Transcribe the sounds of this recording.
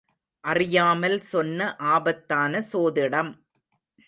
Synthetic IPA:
ʔɐrɪjaːmɐlsɔnːɐʔaːbɐt̪ːaːnɐsoːðɪɽɐm

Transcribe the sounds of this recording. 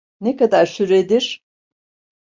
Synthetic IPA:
nekad̪aɾʃyɾed̪iɾ̥

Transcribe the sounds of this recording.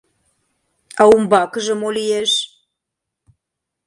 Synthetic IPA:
awumbɑkəʒə̆molijeʃ

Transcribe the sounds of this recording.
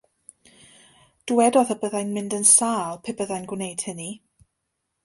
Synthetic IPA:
d̥uwɛdɔðəbəðajnmɪndənsaːlˠpʰɪbəðajnɡwnejd̥həni

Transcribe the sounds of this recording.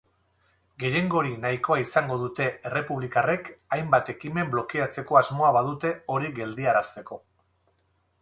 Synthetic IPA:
ɡe̞je̞ŋɡo̞ɾinajko̞aisaŋɡo̞ðut̪e̞ere̞puβlikare̞kajmbat̪e̞kime̞mblo̞kiat͡se̞ko̞azmo̞aβaðut̪e̞o̞ɾiɡe̞ld̪iaɾast̪e̞ko̞

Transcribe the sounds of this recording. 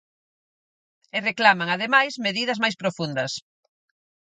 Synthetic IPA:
ɪreklamaŋað̞emajzmeðiðɐzmajspɾofund̪ɐs

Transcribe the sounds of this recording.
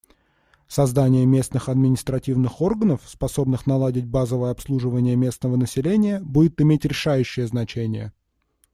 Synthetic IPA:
sɐzd̪anʲɪjəmʲe̞snɨxɐd̪̚mʲɪnʲɪst̪ɾɐtʲivnɨxo̞rɡənəfspɐso̞bnɨxnɐlˠadʲɪtʲbazəvəjəɐpslˠuʐɨvənʲɪjəmʲe̞snəvənəsʲɪlʲenʲɪjəbudʲɪt̪ɪmʲetʲɾʲɪʂajʉɕːɪjəznɐt͡ɕenʲɪjə̰

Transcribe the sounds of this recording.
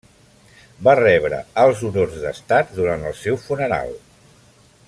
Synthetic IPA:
barɛβɾə̰əlˠzuɾorzðə̰st̪at̪̚d̪uɾant̪əlˠsɛwfunəɾa̰lˠ

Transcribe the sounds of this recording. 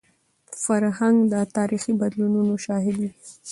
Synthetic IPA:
faɾhaŋɡd̪ət̪ɑɾixibad̪lununoʃɑɦɪd̪i

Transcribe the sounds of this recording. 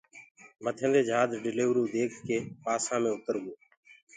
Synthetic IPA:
mət̪ʰə̃nd̪eːd͡ʒaːd̪ɖɪleːʋɾuːd̪eːkʰkeːpaːsãːmẽːʊt̪əɾɡoː

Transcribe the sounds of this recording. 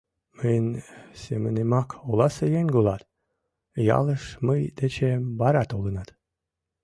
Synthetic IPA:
mənʲsemənemɑkolˠɑsəjenʲɡolˠɑt̪ | jɑ̰lˠəʃməjd̪et͡ɕebɑɾɑt̪olənɑt̪

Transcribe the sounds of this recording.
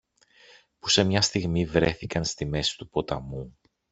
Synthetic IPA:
pu̥se̞mɲɐst̪iɣmivɾe̞θikɐnst̪ime̞si̥t̪upo̞t̪ɐ̰mu

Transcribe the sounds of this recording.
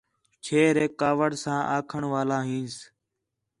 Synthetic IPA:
t͡ʃʰeːɾeːkːaːʋəɽsãːʔaːkʰəɳʋaːlaːɦĩːns

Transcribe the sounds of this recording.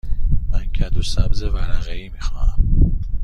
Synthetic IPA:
mæncʰæd̪osæbze̞væɾæɣeiːmiːxɒ̰ːæm

